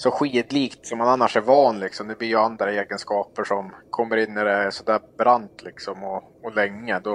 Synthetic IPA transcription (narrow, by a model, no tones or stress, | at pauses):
sɔɧiːd̪liːkt̪sɔmhananːaʂæɾvɑːnlɪɡsɔmd̪ɛbliːjɵand̪ɾaeːɡənskɑːpəʂɔmkʰɔmːəɾɪnːɪɾɛsɔd̪æːɾbɾant̪lɪksɔmɔ | ɔlɛŋːəd̪ɔ